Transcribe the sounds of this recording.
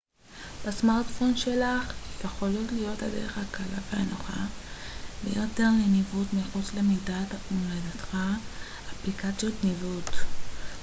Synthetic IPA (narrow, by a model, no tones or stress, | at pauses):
b̥asmaʁtfo̞nʃelaχjeχolo̞tlijo̞ta̰dḛeχakala̰vea̰noχa̰ | bḛjote̞ʁlenivutmiχut͡slemidatumledat̪χa | aplikat͡sjo̞tnivut